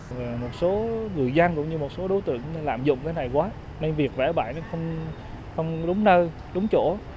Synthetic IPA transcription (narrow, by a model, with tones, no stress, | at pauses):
vaː˨˩mo˨˩t̚so˨˦ŋɨ˨˩əjza˧ŋkʊ̰˧˥ŋ͡mɲɨ˧mo˨˩t̚so˨˦ɗo˨˦jt̪ɨ̰˧˨əŋna˨˧˦laː˧˨˩mzʊ̰˧˨ŋ͡mkaː˨˦jna˨˩jkwaː˨˦ | na˧nvi˨˩ək̚vɛ̰˧˩ɓa̰ː˧˩jna˨˦xə˧wŋ͡m | xə˧wŋ͡mɗʊ˨˦ŋ͡mnəː˧ | ɗʊ˨˦ŋ͡mt͡ɕo̰˧˩